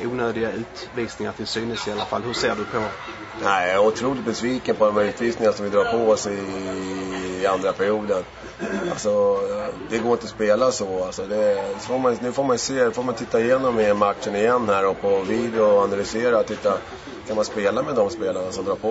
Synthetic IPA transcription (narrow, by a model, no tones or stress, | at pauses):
uːnøːd̪ɪɡaʉ̟ːt̪ | viːsnɪŋaɾt̪ʰɪlsyːnəsɪalːafa̰lːhɵseːɖɵpʰɔ | næɪaʊt̪ʰɾuːlɪt̪̚bɛsviːkənpʰɔd̪ɔmʉ̟ːt̪viːsnɪŋaaʂɔmvɪd̪ɾɑːɾpʰɔɔsɪ | and̪ɾapʰæɾɪjuːd̪ən | a̰lsɔd̪ɛɡoːɾɪnt̪əɔspeːlasɔalsɔd̪ɛfoːɾmannʉ̟ːfoːɾmanjseːfoːɾmant̪ʰɪt̪ːaɪjeːnɔmːɪmat̪ʂənɪjɛnːhæːɾɔpʰɔviːd̪ɛɔanalʏseːɾat̪ʰɪt̪ːa | kʰanmanspeːlamɛd̪ɔmspeːlaɳasɔmd̪ɾɑːpʰɔ